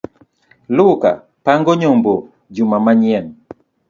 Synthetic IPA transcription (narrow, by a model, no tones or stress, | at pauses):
lʊka̰ | paŋɡɔɲombo | d͡ʒumamaɲiɛn